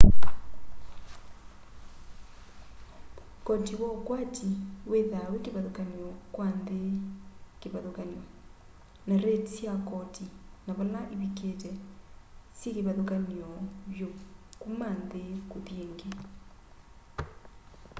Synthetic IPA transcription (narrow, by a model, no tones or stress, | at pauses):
kɔtiwɔkwatiweðawekeβaðokanjɔkwanðekeβaðokanjɔ | naɾetsjakɔtinaβɔlaʔeβiketɛ | sjekeβaðokanɔβjokumandekoðjeŋɡe